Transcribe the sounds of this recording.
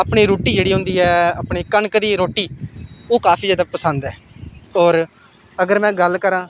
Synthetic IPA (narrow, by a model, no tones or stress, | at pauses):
apɳiːɾoːʈiːd͡ʒeːɽiːɦʊ̃ːnd̪iːɛːapɳiːkənkd̪iːɾoːʈiːoːkaːpʰiːd͡ʒjaːd̪aːpəsənd̪ɛː | ɔːɾ | əɡəɾmɛ̃ːɡəlkəɾãː